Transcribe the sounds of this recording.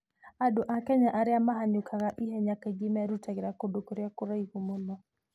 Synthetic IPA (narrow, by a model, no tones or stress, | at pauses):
adoʔakɛɲaʔaɾɪamaɦaɲʊkʰaɣaʔiɦɛɲakeɡɪmaɾutaɡɪɾakodokoɾjakʊɾaihumono